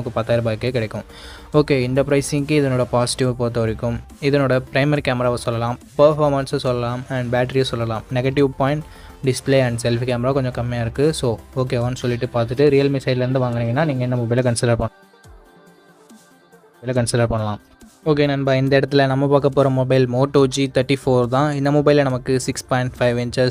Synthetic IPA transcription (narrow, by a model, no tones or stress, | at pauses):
ɐmɐkːɯpɐt̪ːaːjɪɾɐbaːkːekɪɽɛkːɯ̃m | oːkeːɪnd̪ɐpɾɐɪsɪŋkɯɪðɐnoːɽɐpaːsɪ̥ʈɪʋpoːɾt̪ːɐʋɐɾɪkːɯm | ɪðɐnoːɽɐpɪɾɐɪmɐɾikaːmɐɾaːʋɐsɔlːɐlãːmpɐɾfaːɾmɐnsɐsɔlːɐlaːmɐɳɖbaːʈ̬ːɐɾiɐsɔlːɐlaːmnɛɡɐʈːɪʋpaːjɪ̃ɳʈ | ɖɪspleːɐɳɖsɛlfkaːmɐɾaːkɔɲd͡ʒɔ̃kɐmːɪjaːɪɾɯkːɯsoːoːk̬eːɐʋɐnɯsɔlːɪʈːɯpaːɾt̪ɯʈːɯɾijɐlmɪsɐɪlɐɾɯnd̪ɯʋaːŋɡɐnɪŋɡɐnːaːniːŋɡɐɛnːɐmɔbɐɪlɐkɐnsɪlɐɾpɐɳ | ɪlɐkɐnsɪlɐɾpɐɳːɐlãːm | oːk̬eːnɐnbaːɪnd̪ɐɪɽɐt̪ːɪlɐnɐmːɐpaːkɐpːoːɾɐ̃mɔbɐɪlmoːʈːoːd͡ʒit̪ɐɾʈːifoːɾt̪ãːɪnd̪ɐmɔbɐɪlɐnɐmɐkːɯsɪkspɔ̃ːɪɳʈfɐɪʋɛɲt͡ʃɐs